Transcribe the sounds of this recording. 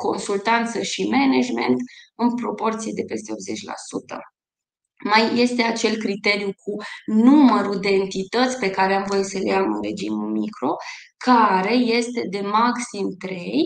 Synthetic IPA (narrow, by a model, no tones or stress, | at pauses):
ko̞nsult̪ant̪səʃimened͡ʒme̞̰nt̪ɨnpɾo̞po̞rt̪sije̞d̪e̞pe̞st̪eo̞bze̞t͡ʃʲla̰sut̪ə | majːe̞st̪e̞at͡ʃe̞lkɾit̪e̞ɾijukʰunuməɾud̪e̞ːnt̪it̪ət̪sʲpe̞kaɾeamvojit̪səlejamɨ̰nre̞d͡ʒimumikɾo̞kʰaɾe̞je̞st̪e̞d̪e̞maksimt̪ɾe̞j